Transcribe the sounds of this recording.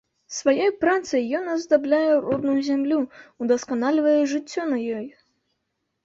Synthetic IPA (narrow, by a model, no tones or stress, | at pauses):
svajɔjpɾat̪sɐjːɔnɐzd̪ablʲajɛrɔd̪̚nujuzʲamlʲuːd̪ɐskanalʲivɐjɛʐɨt͡sʲːɔnɐjɔj